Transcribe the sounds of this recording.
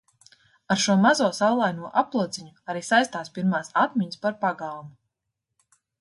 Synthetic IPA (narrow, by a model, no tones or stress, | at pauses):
aɾʃuɔmazuɔsawlˠajnuɔʔaplˠuɔd̪zʲiɲuaɾiːsajst̪aːspʲiɾmaːsat̪mʲiɲspaɾpaɡalˠmu